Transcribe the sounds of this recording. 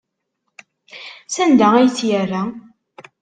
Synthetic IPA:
sænd̪ææjt͡sːjərːæ

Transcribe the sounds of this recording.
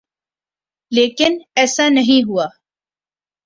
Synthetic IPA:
leːkɪnɛːsaːnɐɦĩɦʊaː

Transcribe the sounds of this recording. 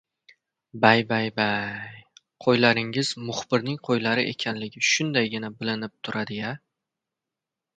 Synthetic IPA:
bajbajbaj | qʰojlaɾɪŋɪz̥mʊχbɪɾnɪŋqʰojlaɾɪʔe̞̰kʲʰanlɪɡʲɪʃʊnd̪ajɡʲɪnabɪlɪnɪp̚t̪ʰʊɾad̪ɪja

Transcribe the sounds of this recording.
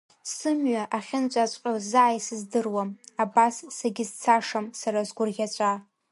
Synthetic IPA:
sɨmɥaʔaχʲɪnt͡ʃʷʼat͡ʃʷʼqʲʼazaʕajsɨzdɨrwamabasːaɡʲɪzt͡sʰaʂamsaɾazɡʷʊrʁʲat͡ʃʷʼa

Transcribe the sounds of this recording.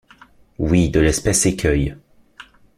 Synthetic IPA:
wid̪əlɛspɛsekʲʰœj

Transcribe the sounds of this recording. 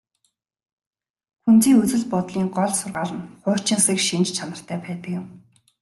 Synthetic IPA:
xunt͡siːŋɵt͡sɵ̆ɮpɔt̪ɮiːŋɢɔɮsʊrʁaːɮə̆nχʊːr̥ʰt͡ɕɪ̆nsĭkʃint͡ɕt͡ɕʰanə̆r̥t̪ʰæːpæːt̪ə̆kjʊ̆m

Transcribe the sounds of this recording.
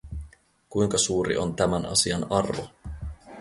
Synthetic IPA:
kujŋkɑsuːɾḭʔo̞nt̪æmænɑ̰siɑnɑrʋo̰

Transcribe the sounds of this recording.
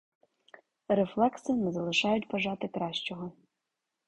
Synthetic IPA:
ɾeflˠɛksɪnɛzɐlˠɪʃɑjʊtʲbɐʒɑt̪ɪkɾɑʃt͡ʃɔɦɔ

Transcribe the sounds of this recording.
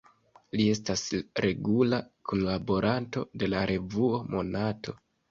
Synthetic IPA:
lie̞stasɾe̞ɡulakʰonlabo̞ɾanto̞̰de̞laɾʔe̞vuo̞mo̞natʰo̞

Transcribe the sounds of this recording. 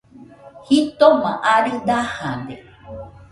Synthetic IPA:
hit̪omãʔaɾid̪ahãnd̪e

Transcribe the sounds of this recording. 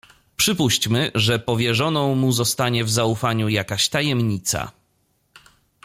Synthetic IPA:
pʂɘpuɕt͡ɕmɘʐɛpɔvʲjɛʐɔnɔ̃w̃muzɔst̪aɲɛvzaufaɲujakaɕt̪ajɛmɲit̪sa̰

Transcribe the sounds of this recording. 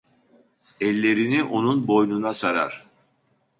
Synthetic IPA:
ɛlʲːe̞ɾiniʔo̞nunbo̞jnunasaɾa̰ɾ̥

